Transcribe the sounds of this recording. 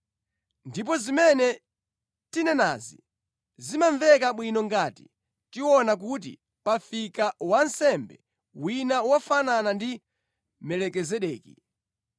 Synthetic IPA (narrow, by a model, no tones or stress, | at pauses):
ndip̬ɔzimɛnɛ | tinɛna̰zḭ | zimaɱvɛkaɓwinɔŋɡati̥ | tiwɔnak̬ut̬ḭ | pafikawansɛmbɛ̰ | winawafananandi | mɛlɛkɛzɛɗɛːkḭ